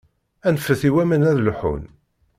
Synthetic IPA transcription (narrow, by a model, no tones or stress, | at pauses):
ænfəθiwæmænæðlħṵn